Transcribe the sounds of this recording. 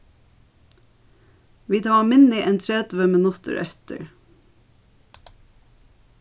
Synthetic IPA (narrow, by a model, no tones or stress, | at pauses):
ʋiːt̪ʰɑːmɪnɪʔeːnt̪ʰɾeːd̪ʋəmənʊst̪ə̰ɾʔœ̰t̪ə̰ɹ